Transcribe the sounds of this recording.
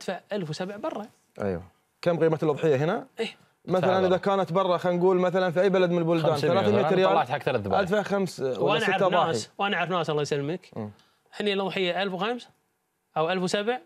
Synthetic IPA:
ʔad̪̥faʕʔalfwsabʕbɑrˤːɑ | ʔa̰jwa̰ | kamɣiːmat̪lʔðˤħɪjːaɦɪnaʔiː | maθalanʔɪðakaːnat̪bɑrˤːɑxanɡuːlmaθalanfiajːbalad̪mɪnlbʊld̪aːnθalaːθmɪːaɾɪjaːt̪ħakːθalaθbʔa̰d̪faʕxamswʔaːansɾaðˤɑːaːiwʔanaʕaɾfnaːsʔɑlːɑjsalːməkː | hɪnːilʔɨðˤħɪjːaʔalfwxams | ʔawʔalfwsabʕ

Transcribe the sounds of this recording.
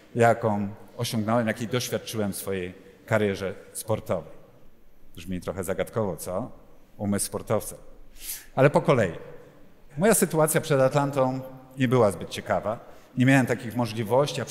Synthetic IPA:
jakɔ̃w̃ɔɕɔ̃ŋɡnɔwɛmjakʲejd̪ɔɕfʲjat̪̚t͡ʂɘwɛmfsfɔjej | kaɾjɛʐɛspɔɾt̪ɔvɛj | ʐmʲit̪ɾɔxɛzaɡat̪kɔvɔt̪ɔumɘsspɔɾt̪ɔft̪sḁ | alɛpɔkɔlɛji | mɔjasɘt̪uat̪sʲjapʂɛd̪at̪lant̪ɔ̃w̃ɲɛbɘwazbɘt̪̚t͡ɕɛkava | ɲɛmʲjawɛmt̪akʲixmɔʐlʲivɔɕt͡ɕija

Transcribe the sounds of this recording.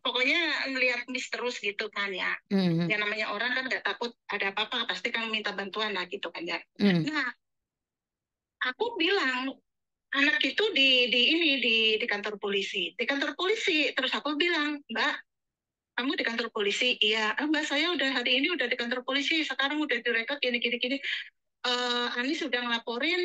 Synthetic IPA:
pokoɲaməliɦat̪̚mist̪əɾʊsɡit̪umanja̰jaŋnamaɲaʔoɾaŋkanŋɡaʔt̪akʊt̪̚adaːpaːpapast̪ikanməmint̪abant̪uanlahɡit̪ukanjanah | ʔakubilaŋ | anak̚it̪udidiːnididikant̪ɔrpolisidikant̪ɔrpolisit̪əɾʊsakubilaŋmbaʔ | kamudikant̪ɔrpolisijaəmbaʔsajaudahɦaɾiːniudahdikant̪ɔrpolisisəkaɾaŋudahdiɾekɔt̪̚inikinikini | əanɪsudahŋəlapoɾɪn

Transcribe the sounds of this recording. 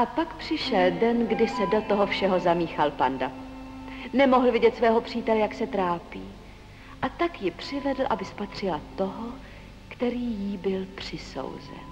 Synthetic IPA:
ʔapakpr̝̥ɪʃɛldɛnɡdɪsɛdo̞t̪oɦo̞fʃɛɦo̞zamiːxalpanda | nɛmoɦl̩vɪɟɛt̪svɛːɦo̞pr̝̥iːt̪ɛlɛjaksɛt̪ɾaːpiː | ʔat̪akjɪpr̝̥ɪvɛdl̩ʔabɪspat̪r̝̥ɪlat̪o̞ɦo | kt̪ɛɾiːjibɪlpr̥ɪso̞̰wzɛ̰n

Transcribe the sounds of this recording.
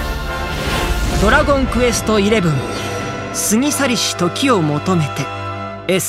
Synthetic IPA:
d̪o̞ɾaɡõ̞ŋkɯ̟e̞sɨ̥t̪o̞iɾe̞bɯ̟̃m | sɨŋ̟ʲisaɾʲiɕi̥t̪o̞kʲio̞mo̞t̪o̞me̞t̪e̞ | e

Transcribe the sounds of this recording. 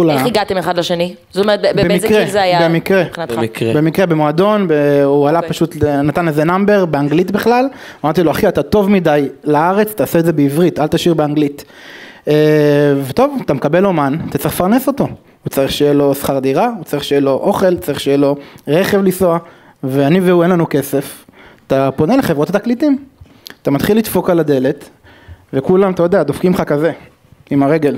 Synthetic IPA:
laiɡat̪emeχadlaʃenizot̪omeetebebmizkʁezeajabemikʁeinatkbemikʁebemoado̞nbeualapaʃutnat̪anlezenambeʁbeaŋɡlitbiχlal | amaʁt̪iloaχiatato̞vmidajlaaʁe̞t͡st̪aːsetzebeivʁitalt̪aʃiʁbeaŋɡlit | evet̪o̞vat̪amekabe̞lomanat̪att͡saʁiχfaʁneso̞t̪o̞ | ut͡saʁiχʃejelo̞sχaʁd̪iʁaut͡saʁiχʃejelo̞ʔo̞χe̞lt͡saʁiχʃejelo̞ʁe̞χe̞vlisoa | veaniveuenlanuke̞se̞ftapo̞ne̞leχevʁot̪at̪aklit̪im | at̪amat̪χilːit̪fo̞kalad̪e̞le̞t̪ | ve̞kulamatajod̪ead̪ofkimχakaze̞ | imaʁeɡe̞l

